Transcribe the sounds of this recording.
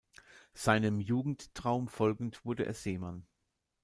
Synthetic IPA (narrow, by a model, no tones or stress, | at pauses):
z̥aɪnəmjuːɡŋ̩ttʁ̥aʊmfɔlɡŋ̩tv̥ʊɐdəʔḛːɐz̥eːman